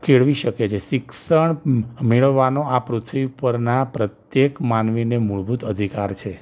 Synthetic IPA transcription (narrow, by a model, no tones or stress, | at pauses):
kʰeɭʋiʃəket͡ʃʰeʃɪksəɳmeɭəʋːanoapɾut̪ʰʋiupəɾnapɾət̪jekmanʋinemuɭbʱut̪əd̪ʱikaɾt͡ʃʰe